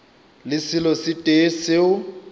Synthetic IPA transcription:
lɪsɪlɔsɪtʼesɪʊ

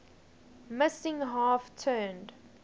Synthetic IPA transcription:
mɪsɪ̃ŋɦɑːftʰɜːnd

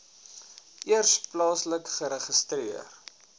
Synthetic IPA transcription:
ʔiərsplɑːsləkχəɾəχəstriər

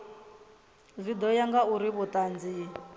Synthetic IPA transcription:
zʷid̪ɔjaŋɡauɾiβʊt̪ʼand͡ziː

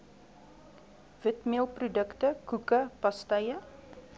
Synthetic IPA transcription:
v̥ətmiəlˠprudəktəkukəpɐstɐjə

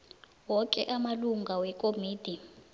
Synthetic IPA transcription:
wɔkʼɛ̰ʔamaluŋɡʱawɛkʼomiːd̥ʱi

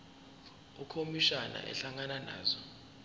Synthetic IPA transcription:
ukʰomiʃana̰ʔɛ̰ɬaŋanana̰ːzɔ

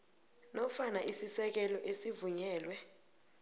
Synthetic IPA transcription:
nɔfanaʔisisɛk̬ɛlɔʔesivuɲɛːlwɛ

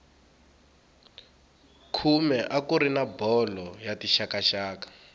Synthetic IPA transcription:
kʰumɛʔakuɾinabɔlɔjatiʃakaʃaːkḁ

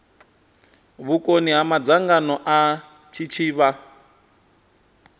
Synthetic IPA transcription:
βukʼoniɦamad͡zaŋɡanɔʔa | t͡ʃʰit͡ʃʰiːβa

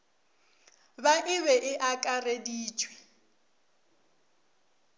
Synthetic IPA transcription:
baʔɪβɛʔɪʔakʼarediːt͡ʃʰʼwɛ̥

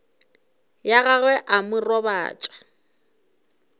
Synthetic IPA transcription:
jaɣaɣwɛʔamʊrɔba̰ːt͡ʃʼḁ

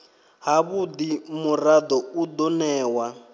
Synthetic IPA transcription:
ɦaβud̪imurad̪ɔud̪ɔnɛːwa

